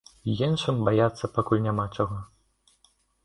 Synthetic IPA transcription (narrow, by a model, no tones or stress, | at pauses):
jinʂɨmbajat̪sːɐpakulʲnʲamat͡ʂaɣɔ